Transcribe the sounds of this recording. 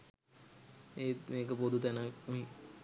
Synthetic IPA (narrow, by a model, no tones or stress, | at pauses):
eːmeːk̬əpod̪ʱut̪ɛnəmi